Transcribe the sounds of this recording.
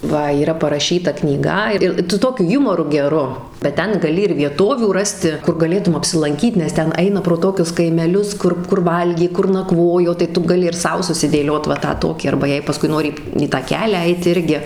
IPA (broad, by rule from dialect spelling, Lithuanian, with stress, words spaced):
ˈʋɐ iːˈrɐ pɐrɐˈʃʲiːtɐ knʲiːˈɡɐ ˈɪr sʊ ˈtoːkʲʊ ˈjʊmoːrʊ ɡʲɛˈrʊ bʲɛt ˈtʲɛn ɡɐˈlʲɪ ɪr ʋʲiɛˈtoːʋʲuː ˈrɑːsʲtʲɪ ˈkʊr ɡɐˈlʲeːtʊm ɐpʲsʲɪlˠɐŋʲˈkʲiːt nʲɛs ˈtʲɛn ˈɐɪnɐ proː ˈtoːkʲʊs kɐɪmʲɛˈlʲʊs ˈkʊr kʊr ˈʋɐlʲɡʲeː ˈkʊr nɐˈkʋoːjoː tɐɪ ˈtʊ ɡɐˈlʲɪ ɪr ˈsɐʊ sʊsʲɪdʲeːˈlʲoːt ʋɐ ˈtɑː ˈtoːkʲiː ɐrbɐ ˈjɛɪ pɐˈskʊɪ ˈnoːrʲɪ iː tɑː ˈkʲæːlʲæː ˈɛɪt ˈɪrʲɡʲɪ